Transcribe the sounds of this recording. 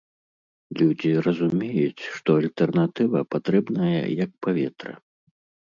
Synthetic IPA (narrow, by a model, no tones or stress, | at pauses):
lʲud͡zʲirɐzumʲejut͡sʲʂt̪ɔalʲt̪ɛrnat̪ɨvɐpat̪ɾɛbnɐjɐ̰jɐk̚pavʲɛt̪ɾɐ̰